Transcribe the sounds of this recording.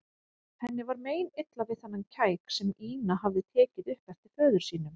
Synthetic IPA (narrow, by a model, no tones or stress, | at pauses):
θɛnːɪvaɾmeːjnɪt̪lavɪðθanːamcʰaːjksɛmiːnaɦavðɪt̪ʰɛːcɪðʏhpɛft̪ɪ̥fœːðʏɾ̥siːnʏm